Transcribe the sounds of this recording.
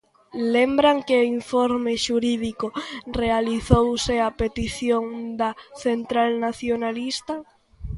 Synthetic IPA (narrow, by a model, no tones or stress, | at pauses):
lembɾaŋkɪoiɱfoɾmɪʃuɾiðikʊrealiθowsɪapet̪iθjoŋd̪ɐθent̪ɾalnaθjonalist̪a